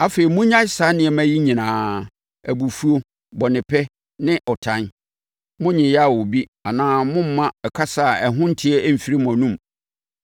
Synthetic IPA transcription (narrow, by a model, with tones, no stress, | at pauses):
a˨fe˨ɾi˨mʊ̃˦ɲã˦sa˨˦nɪ̃˨ɛ˨mæ̃˦ji˦ɲĩ˨nãː˨˦ | æ˨bu˨fu˦o˦ | bɔ˨nɪ̃˨pʰɛ˦ | nɪ̃˦ʔɔ˨tʰã˦n | mʊ̃˦ɲɪ̃˨jɛ˦a˨wo˨bi˦a˨nãː˦mʊ̃˦m̩˦mã˦ɛ˨kʰa˦sa˦˨ɛ˨ɦʊ̃˦n̩˦tʰɪ˦ɛ˦m̩˨fi˨ɾi˦m˨ã˨nũ˦˨m